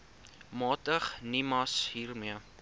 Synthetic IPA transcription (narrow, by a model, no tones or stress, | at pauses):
mɑːtəχnimɐsɦiːrmiə